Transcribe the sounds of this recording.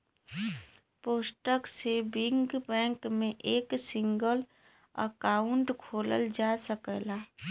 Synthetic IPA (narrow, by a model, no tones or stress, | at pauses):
poːsʈəksebɪŋɡbɛ̃ːŋkmẽʔeːksɪ̃ŋɡəl | ə̰kaːʊɳʈkʰoːlə̰ld͡ʒaːsəkəlaː